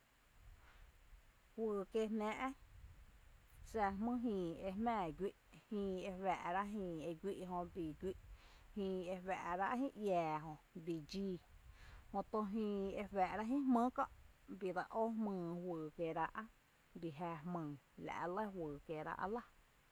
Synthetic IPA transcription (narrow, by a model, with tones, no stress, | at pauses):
hwɨː˨ke˧hnɛ̃ː˧ʔ | sa˧mɨ̃˦ɦĩː˧e˧hmɛ̃ː˦˧˨ɡʷi˦ʔhĩː˧e˧wæː˨ʔɾa˦ʔɦĩː˧˨e˧ɡʷi˦ʔɦõ˧bi˨ɡʷi˦ʔhĩː˧e˧wæ˨ʔɾa˦ʔhĩ˦ʔjaː˨ɦõ˧bi˨d͡ʒiː˦˧ | hõ˧t̪o˧ɦĩː˧e˧wɛ˨ʔɾa˦ɦĩ˦mɨ̃˦kɔ̰̃˧ʔbi˨d̪a˧˨ʔo˦mɨ̃ː˧˨hwɨː˨ke˧˨ɾa˧ʔa˦ | bi˨ɦæ˧hmɨ̃˧˨ | la̰˨ʔlə˦hwɨː˨ke˧˨ɾa̰˧ʔa̰˧la˦